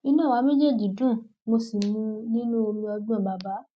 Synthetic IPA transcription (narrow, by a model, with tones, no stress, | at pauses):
i˧nã˦˨wa˨˧˦me˦d͡ʒe˦˨d͡ʒi˨dũ˦˨ | mo˧si˨mũ˧nĩ˦nu˦o˧ɾĩ˧ɔ˧ɡ͡bũ˦ã˦˨ba˨ba˨˦